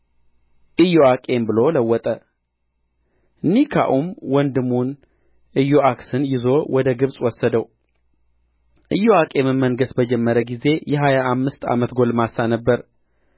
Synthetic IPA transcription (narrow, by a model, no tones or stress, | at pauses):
ʔɨjoakʼe̞mbɨlo̞ləwːɔt̪ʼə | ɨnːikʰa̰ʔumwɔnd̪ɨmːun | ʔɨjːoʔaksɨnjɪzo̞wʔɔd̪əɡɨβsʼwɔsːəd̪əw | ʔɨjːoakʼe̞mɨnməŋɡəsbəd͡ʒɛmːəɾəɡize̞jɛɦajaʔːmːɨst̪ʰa̰mət̪ɡo̞lmasanəbːəɾ